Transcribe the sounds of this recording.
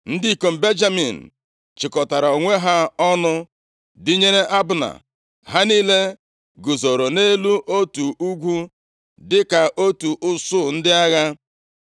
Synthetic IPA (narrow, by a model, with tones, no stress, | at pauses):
n̩˦di˦i˨ko˨m̩˨be˦nd͡ʒa˦mi˨n̩˨ | t͡ʃɪ˨kɔ˨ta˨ɾa˨o˨ŋʷe˦ɦa˦ɔ˦nʊ˦ | dɪ˦ɲe˦ɾe˦ʔa˦bʊ˨na̰˨ | ɦa˦niː˦le˦ | ɡʊ˨zo˨ɾo˨ne˦lu˦ʔo˦tu˨u˦ɡʷu˦ | dɪ˦ka˨ʔo˦tu˨ʔʊ˦sʊ˦˨n̩˦dɪ˦a˦ɣa˦